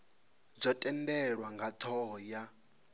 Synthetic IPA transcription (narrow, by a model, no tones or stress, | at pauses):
zʷɔtʼɛndɛɺwaŋɡatʰɔja